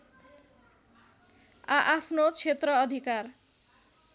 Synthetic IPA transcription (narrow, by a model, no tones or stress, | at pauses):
aʔapʰnot͡ʃʰet̪ɾɔːd̪ʱikaɾ